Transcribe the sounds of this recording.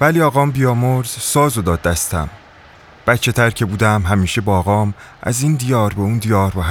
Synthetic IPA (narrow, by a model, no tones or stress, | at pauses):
væliɒːɣɒːmbijɒːmoɾz̥sɒːzod̪ɒːd̪ːæst̪ʰæ̰m | b̥æt̪t͡ʃʰe̞t̪ʰæɾcʰe̞buːd̪æmɦæmiːʃe̞bɒːɣɒːmʔæ̰ziːnd̪ijɒːɾbeuːnd̪ijɒːɾbɒɦ